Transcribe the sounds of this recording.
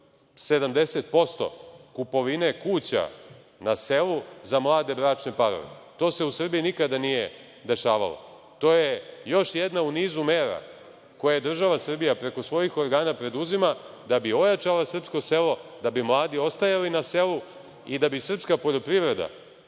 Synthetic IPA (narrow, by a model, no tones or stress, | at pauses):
se̞d̪amd̪e̞set̪̚po̞st̪o̞̰kupo̞ʋine̞kuːt͡ɕa̰ | nase̞luzamlˠaːd̪e̞bɾaːt͡ʃne̞paɾo̰ʋḛt̪o̞ːse̞usr̩bijinikad̪anije | d̪e̞ʃaːʋa̰lo̰ | t̪o̞ːjejo̞ʃjed̪nauniːzumeːɾa̰ | ko̞jad̪r̩ʒaʋasr̩bijapɾe̞ko̞sʋo̞jixo̞ɾɡaːnapɾe̞d̪uzima | d̪abio̞jat͡ʃalasr̩psko̞se̞lo̞d̪abimlˠaːd̪io̞st̪ajalinase̞lu | id̪abisr̩pskapo̞ʎo̞pɾiʋɾe̞d̪a̰